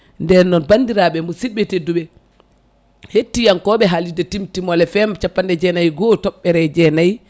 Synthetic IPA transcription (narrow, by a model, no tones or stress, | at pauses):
ndɛnɔnbandiɾaɓɛmusiɓːɛteduɓɛ | hetːijankɔɓɛɦalidɛtimtimɔlɛfɛmt͡ʃapːandɛd͡ʒɛnajɡɔtɔɓːɛɾɛd͡ʒɛnaj